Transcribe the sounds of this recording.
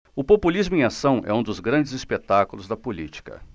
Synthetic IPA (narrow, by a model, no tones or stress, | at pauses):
ʊpopulizmʊẽasɐ̃w̃ʔɛ̰ũd̪ʊzɡɾɐ̃nd͡ʒɪzispet̪akʊlʊzd̪ɐpulit͡ʃi̥kɐ̰